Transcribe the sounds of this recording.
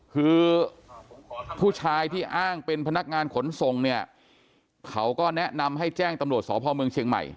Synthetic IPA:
kʰɯː˧ | pʰuː˥˩t͡ɕʰaː˧jt̪ʰiː˥˩ʔaː˥˩ŋpe˧npʰa˧na˦˥k̚ŋaː˧nkʰo˩˦nso˨˩ŋni˥˩ɐ | kʰa˦˥wkɔː˥˩nɛ˦˥na˧mɦa˥˩jt͡ɕɛː˥˩ŋt̪a˧mɾt̪̚sɔː˩˦pʰɔː˧mɯ˧əŋt͡ɕʰi˧ŋma̰˨˩j

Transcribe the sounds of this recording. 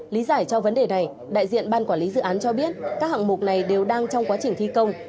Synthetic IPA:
li˨˦zaː˧˩jt͡ɕɔ˧və˨˦nɗe˨˩na˨˩j | ɗa̰ː˧˨jzḭ˧˨ənɓaː˧nkwaː˧˩li˨˦zɨ̰˧˨ʔaː˨˦nt͡ɕɔ˧ɓi˦˥ət̚kaː˦˥k̚ha̰˧˨ŋmʊ˨˩k͡p̚na˨˩jɗe˨˩wɗaː˧ŋt͡ɕɔ˧wŋ͡mkwaː˨˦t͡ɕï˨˩ŋ̟t̪ʰi˧kə˧wŋ͡m

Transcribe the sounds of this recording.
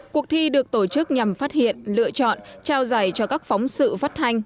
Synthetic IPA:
ku˨˩ək̚t̪ʰi˧ɗɨ˨˩ək̚t̪o˧˩t͡ɕɨ˦˥k̚ɲa˨˩mfaː˦˥t̚hḭ˧˨ənlɨ̰˧˨ət͡ɕɔ̰˧˨nt͡ɕaː˧wzaː˧˩jt͡ɕɔ˧kaː˦˥k̚fa˨˦wŋ͡msɨ̰˧˨faː˦˥t̚t̪ʰa˧jŋ̟

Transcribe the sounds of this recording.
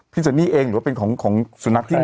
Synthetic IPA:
pʰi˦˥sa˧˦niː˥˩ʔeː˧ŋɾɯ˨˩˦wa˥˩pe˧nkʰɔː˩˦ŋkʰɔː˩˦ŋsu˨˩˦na˦˥k̚t̪ʰi˥˩

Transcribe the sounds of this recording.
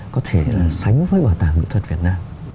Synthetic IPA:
kɔ˨˦t̪ʰe˧˩˨sa˨˦jŋ˨˦vəː˨˦jɓaː˧˩t̪aː˨˧˩ŋmḭ˧˥˨t̪ʰə˨˩t̚vi˨˩ət̚naː˧m

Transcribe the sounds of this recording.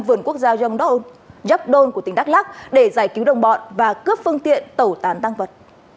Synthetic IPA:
mvɨ˨˧˩ənku˦˥ək̚zaː˧zwnɗɔ˦˥ʔo˧n | za˦˥p̚ɗo˧nku˧˩t̪ï˨˩ŋ̟ɗa˦˥k̚laː˦˥k̚ɗe˧˩zaː˧˩jki˨˦wɗə˨˩wŋ͡mɓɔ̰˧˨nvaː˨˩kɨ˦˥əpfɨ˧əŋt̪ḭ˧˨ənt̪ə˧˩wt̪aː˨˦nt̪a˧ŋvə˨˩t̚

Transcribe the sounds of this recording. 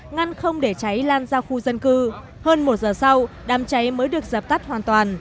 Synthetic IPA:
ŋa˧nxə˧wŋ͡mɗe˧˩t͡ɕa˨˦jlaː˧nzaː˧wxu˧zə˧nkɨ˧ | həː˧nmo˨˩t̚zəː˨˩sa˧w | ɗaː˨˦mt͡ɕa˨˦jməː˨˦jɗɨ˨˩ək̚zə˨˩p̚t̪a˦˥t̚hwaː˨˩nt̪waː˨˩n

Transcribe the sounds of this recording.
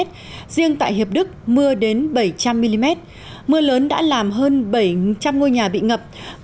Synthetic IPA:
t̚ | z̥i˧əŋt̪a̰ː˧˨jɦi˨˩əp̚ɗɨ˦˥k̚mɨ˧əɗe˨˦nɓə˧˩jt͡ɕa˧mːi˧li˧mɛ˦˥t̚ | mɨ˧ələː˨˦nɗa̰ː˧˥laː˨˩mɦəː˧nɓə˧˩jt͡ɕa˧mŋo˧jɲaː˨˩ɓḭ˧˨ŋə˨˩p̚

